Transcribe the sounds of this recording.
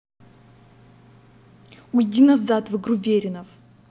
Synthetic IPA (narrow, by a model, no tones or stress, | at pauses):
ujdʲinɐzat̪vɨɡɾuvʲeɾʲɪnəf